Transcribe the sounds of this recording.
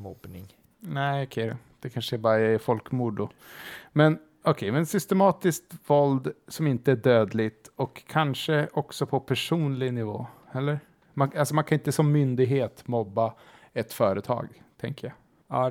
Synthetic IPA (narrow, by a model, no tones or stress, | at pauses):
mɔbnɪ̰ŋ | næɪɔkʰɛ | d̪̥ɛkʰanʂəæbɑːɾafɔlkmuɖʊ | mɛn | ɔkʰɛmɛnsʏst̪ɛmɑːt̪ɪskt̪vɔld̪sɔmɪnt̪əæɖøːd̪lɪt̪ɔkʰːanʂəʔɔksɔpʰɔpʰæʂuːnlɪɡnɪvo̰ːhɛlːəɾ | manalsɔmankʰanɪnt̪əsɔmːʏnd̪ɪɡɦeːt̪mɔbːa | ɛt̪fœːɾət̪ʰɑ̰ːɡt̪ʰɛŋkəja